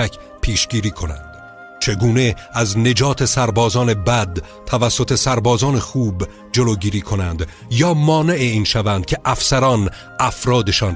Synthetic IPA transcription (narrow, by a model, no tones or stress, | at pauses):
ækʰ | pʰiːʃɡiːɾiːkʰo̞næ̰nd̪̥ | t͡ʃʰe̞ɡuːne̞æzne̞d͡ʒɒːt̪ʰe̞sæɾbɒːzɒːne̞bæd̪ | t̪ʰævæsːo̞t̪ʰe̞sæɾbɒːzɒːne̞xuːb | d͡ʒe̞loːɟiːɾiːkʰo̞nænd̪ | jɒːmɒːne̞ʔeiːnʃævænd̪̚cʰe̞ʔæfsæɾɒːn | æfɾɒːd̪e̞ʃɒːn